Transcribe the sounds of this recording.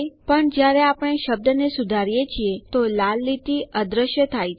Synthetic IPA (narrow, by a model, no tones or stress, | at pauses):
jpəɳd͡ʒjaɾeapəɽ̃eʃəb̚d̪ənesud̪ʱaɾijet͡ʃʰiet̪olalːit̪iəd̪ɾəʃjət̪ʰaj